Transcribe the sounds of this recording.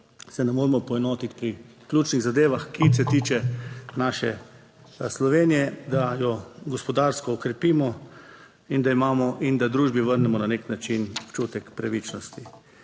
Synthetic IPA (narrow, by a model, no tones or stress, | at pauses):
sɛnɛmoːɾmɔpɔɛnɔːt̪it̪pɾi | klʲuːt͡ʃniɣzad̪eːʋaxkisɛt̪iːt͡ʃɛnaːʃɛ̰ | slɔʋeːnijɛd̪ajɔɡɔspɔd̪aːɾskɔːkɾɛpiːmɔ | ind̪aimaːmɔʔind̪ad̪ɾuːʒbiʋəɾnɛmɔnaneknat͡ʃinupt͡ʃuːt̪ɛkpɾaʋit͡ʃnɔst̪i